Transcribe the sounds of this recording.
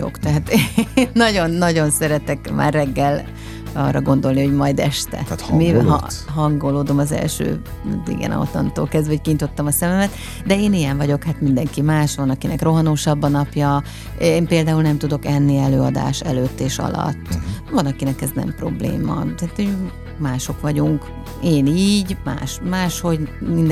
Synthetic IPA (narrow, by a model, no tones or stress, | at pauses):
o̰kt̪ɛɦaːt̪enːɒɟo̞nːɒɟo̞nsɛɾɛt̪ɛkma̰ːrːɛɡːɛl | ɒ̰ːrːɒɡo̞nd̪o̞lniho̞ɟmɒjd̪ɛʃt̪ɛ̰t̪hmiɦɦɒŋɡoloːd̪o̞mɒzɛ̰lʃø̰ː | d̪ḭɡɛ̰nɒ̰o̰t̪lɒ̰nt̪o̰ːlkɛzd̪vɛhockiɲit̪o̞t̪ːɒmɒsɛmɛmɛt̪ | d̪ɛeːnijɛɱvɒɟo̞khaːt̪mind̪ɛŋkimaːʃʋɒnɒkinɛkro̞ɦɒnoːʃɒbːɒnɒpjɒ | eːmpeːld̪aːulnɛmt̪ud̪o̞kɛnːiɛløːɒd̪a̰ːʃɛløːt̪ːeːʃɒ̰lɒ̰t̪ːvɒnɒkinɛkɛznɛ̰mpro̞̰blḛːmɒ̰t̪ɛat̪o | maːʃo̞kʋɒɟuŋk | eːniːɟma̰ːʃmaːʃho̞ɟmind̪